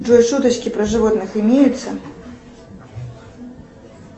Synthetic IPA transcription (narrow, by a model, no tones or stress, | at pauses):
ʐɔjʂut̪ɐt͡ʃkʲipɾɐʐɨvɔt̪nɨximʲejut̪sːɐ